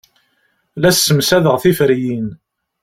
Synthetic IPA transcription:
læsːəmsæðəʁθifɾjin

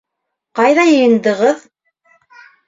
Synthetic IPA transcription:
qɑjðɑjɤ̆jɤ̆nd̪ɤ̆ʁɤð

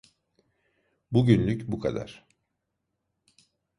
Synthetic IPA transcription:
buɟynlʲycbukʰa̰d̪a̰ɾ̥

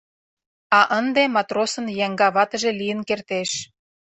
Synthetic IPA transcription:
ɑʔənd̪emɑt̪rosə̆njæŋɡɑβɑt̪ə̆ʒĕlijə̆nkert̪eʃ

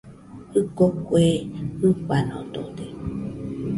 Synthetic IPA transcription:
ɯkokueɨkanõ̰d̪o̰d̪e

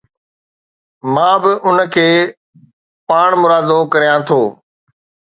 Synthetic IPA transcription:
mãːbɪʔʊnəkʰeː | paːɳ̃mʊɾaːd̪okɐɾijãt̪ʰoː

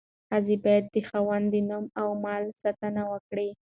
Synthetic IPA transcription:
hazibɑjad̪̚ːəxawand̪ənumawmɑlsat̪anawəkɽi

